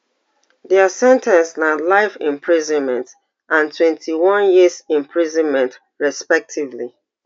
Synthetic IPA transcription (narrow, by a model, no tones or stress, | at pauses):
ðɛasɛ̃ntʰɛ̃nsnalaɪfɪ̃mpʰɹizɔ̃nmɛ̃nt | ʔãntʰwɛ̃ntʰiwɔ̃njisĩmpʰɹizɔ̃nmɛ̃nt | ɹɛspɛk̚tʰivli